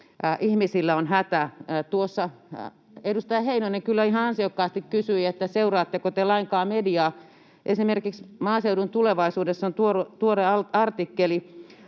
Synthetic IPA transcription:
ʔihmisilːæonhæt̪æt̪uosːɑ | edust̪ɑjɑheinonekylːæihɑɑnsiokːɑːst̪ikkysyiet̪ːæseurɑːt̪ːekot̪elɑiŋkɑːmediɑː | ʔesimerkiksmɑːseudunt̪uleʋɑisuːdesːont̪uort̪uoreɑɑrt̪ikːeli

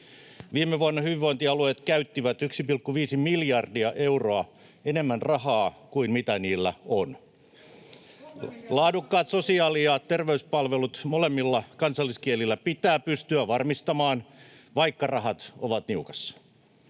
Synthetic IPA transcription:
ʋiːmːeʋuɑnːɑhyʋiʋoint̪iɑlueːt̪kæyt̪ːiʋæt̪yksipilkːuʋiːsimiljɑrdiɑʔe̞uroɑ | ene̞mːænrɑɦɑːkuinmit̪æniːlːæon | lɑːdukːɑːt̪so̞siɑːliɑtt̪erʋeyspɑlʋelut̪molemːilːɑkɑnsɑlːiskielilːæpit̪æːpyst̪yæʋɑrmist̪ɑmɑːn | ʋɑikːɑrɑɦɑt̪oʋɑt̪niukɑsːɑ̥

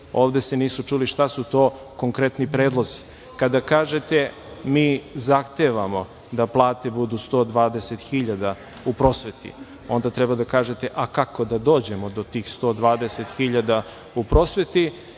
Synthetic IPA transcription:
o̞ːʋd̪e̞seniːsut͡ʃuːliʃt̪asut̪o̞ː | ko̞ŋkɾet̪nipɾeːd̪lˠo̞zi̥ | kad̪akaːʒe̞t̪e̞ | miːzaxt̪eʋamo̞ | d̪aplˠaːt̪e̞bud̪ust̪o̞ːd̪ʋaːd̪e̞set̪xiʎad̪a | upɾo̞sʋe̞t̪ḭ | o̞nd̪at̪ɾɛbad̪akaːʒe̞t̪e̞ʔakako̞d̪ad̪o̞ːd͡ʑe̞mod̪o̞t̪iːxst̪o̞ːd̪ʋaːd̪eset̪xiʎad̪a | upɾo̞sʋe̞t̪i

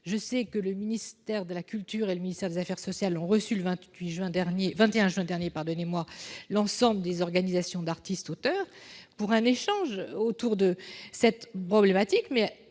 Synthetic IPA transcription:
ʒəsɛkələminist̪ɛʁd̪əlakʲylt̪yʁeləminist̪ɛʁd̪ezafɛʁsɔsjalɔ̃ʁəsyləvɛ̃t̪ɥiʒɥɛ̃d̪ɛʁnjevɛ̃t̪eɛ̃ʒɥɛ̃d̪ɛʁnjepaʁd̪ɔnemwalɑ̃sɑ̃bləd̪ezɔʁɡanizasjɔ̃d̪aʁt̪ist̪ot̪œːʁpuʁɛ̃neʃɑ̃ʒot̪uʁd̪əsɛt̪pχɔblemat̪ikmɛ

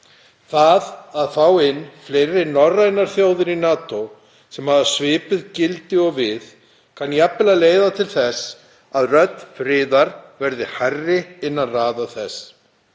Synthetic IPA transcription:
θaðaðθawɪnːfleːjɾɪnɔrajnaɾ̥θjoːwðɪɾinaːt̪ow | sɛmhaðasvɪːpʏðcɪlt̪ɪɔɣvɪð | kʰanjapːɪlaleːjðat̪ʰɪlθɛs | aðrœt̪fɾɪːðaɾvɛɾðɪhajrːɪɪnːanraːðaθɛs

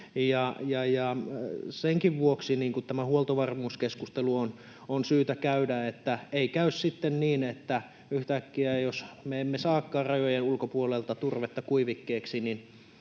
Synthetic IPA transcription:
jɑjɑjɑseŋkiʋʋuoksiniːŋkut̪t̪æmæhuolt̪oʋɑrmuːskeskust̪eluon | onsyːt̪ækæydæet̪ːæeikæyssit̪ːenniːnet̪ːæ | yht̪ækːiæjosmeemːesɑːkːɑːrrɑjojenulkopuolelt̪ɑt̪urʋet̪ːɑkuiʋikːeːksinin

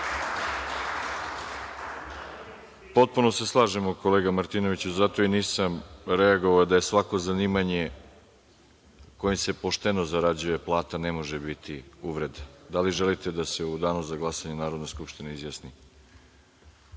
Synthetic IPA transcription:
po̞t̪̚puno̞se̞slˠaːʒemoko̞leːɡamaɾt̪ino̞ʋit͡ɕuzat̪o̞iniːsamɾe̞aɡo̞ʋaod̪aje̞sʋako̞zaniːmaɲe̞ | kojimse̞po̞ʃt̪e̞no̞zaɾad͡ʑuje̞plˠaːt̪ane̞mo̞ʒebit̪ʰiuʋɾe̞d̪ad̪aliʒelit̪e̞d̪ase̞ud̪aːnuzaɡlˠasaɲenaːɾo̞d̪neskupʃt̪ineizjasni

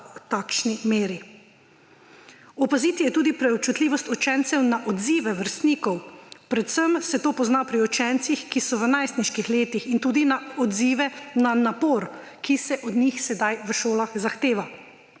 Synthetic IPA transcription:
t̪aːkʃnimeːɾi | ɔpaziːt̪ijɛt̪uːd̪ipɾɛɔp̚t͡ʃut̪liːʋɔst̪ɔt͡ʃɛnt̪sɛwnaʔɔd̪ziːʋɛʋəɾst̪niːkɔwpɾɛt̪səmsɛt̪oːpɔznapɾiɔt͡ʃɛnt̪sixkisɔʋənajst̪niʃkixleːt̪ixint̪uːd̪inaɔd̪ziːʋɛnanapoːɾ | kisɛʔɔd̪nixsɛd̪ajʋəʃoːlaxzaxt̪eːʋa

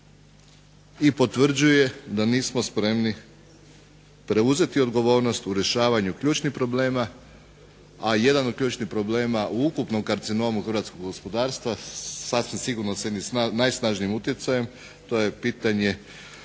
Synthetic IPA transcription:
ipo̞t̪ʋr̩d͡ʑuje̞d̪aniːsmo̞spɾe̞mni | pɾe̞uze̞t̪io̞d̪ɡo̞ʋo̞ːɾno̞st̪uɾe̞ʃaːʋaɲukʎuːt͡ʃnixpɾo̞ble̞ːma | aje̞d̪anod̪̚kʎʲuːt͡ʃnipɾo̞ble̞ːmaʔuukupno̞mkaɾt̪sino̞muxrɾʋat̪sko̞ɡɡospo̞d̪aːɾst̪ʋasasʋimsiɡuɾnosje̞d̪ninajsnaːʒnimut̪jet̪saje̞m | t̪o̞jepiːt̪aɲe̞

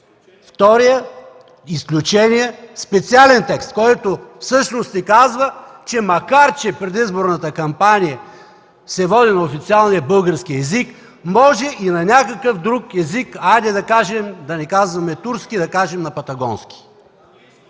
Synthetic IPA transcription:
ft̪ɔɾijə | isklʲut͡ʃɛnijəspɛt̪sialɛnt̪ɛkst̪̚kɔjt̪ofsɤʃnost̪ːɛkazvət͡ʃɛmɐkaɾt͡ʃɛpɾɛd̪izboɾnɐt̪əkɐmpanʲijə | sɛvɔd̪inɐofit̪sialˠnijəbɤlˠɡəɾskiɛzik | mɔʒɛʔinɐnʲakəkəfd̪ɾukɛzikajd̪ɛd̪ɐkaʒɛmd̪ɐnɛkazvɐmɛt̪uɾskid̪ɐkaʒɛmnɐpɐt̪ɐɡɔnskʲi̥

